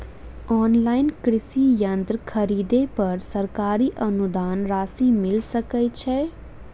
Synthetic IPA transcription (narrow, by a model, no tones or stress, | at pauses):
ɔːnlaːɪnkɾɪsiːjənt̪ɾkʰəɾiːd̪eːpəɾsəɾkaːɾiːʔənʊd̪aːnɾaːsiːmɪlsəkəit͡ʃʰɛː